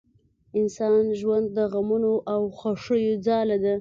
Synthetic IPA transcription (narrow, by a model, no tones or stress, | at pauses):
ɪnsɑnʒwand̪̚ːəɣamunoʔawxaʂəjod͡zɑlad̪a